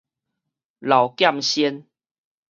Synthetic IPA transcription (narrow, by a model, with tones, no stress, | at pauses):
la˨˩wkja˥˨mɕjɛ˦n